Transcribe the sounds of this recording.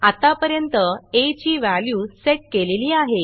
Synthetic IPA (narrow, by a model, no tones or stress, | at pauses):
at̪apəɾjənt̪əet͡ɕiːʋæljuːseʈ̚keleliːaɦe